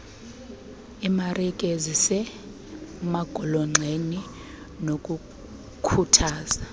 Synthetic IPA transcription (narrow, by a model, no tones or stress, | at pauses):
imarikʼɛzisɛ | maɡ̥ʱɔlɔŋ͡ǀʱeni | nokʼu | kʰutʰaːz̥a